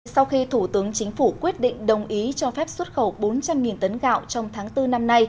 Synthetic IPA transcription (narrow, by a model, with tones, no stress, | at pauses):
sa˧wxi˧t̪ʰu˧˩t̪ɨ˨˦əŋt͡ɕï˨˦ŋ̟fu˧˩kwi˦˥ət̚ɗḭ˧˨ŋ̟ɗə˨˩wŋ͡mʔi˨˦t͡ɕɔ˧fɛ˦˥p̚swə˦˥t̚xə˧˩wɓo˨˦nt͡ɕa˧mŋi˨˩nt̪ə˨˦nɣa̰ː˧˨wt͡ɕɔ˧wŋ͡mt̪ʰaː˨˦ŋt̪ɨ˧na˧mna˧j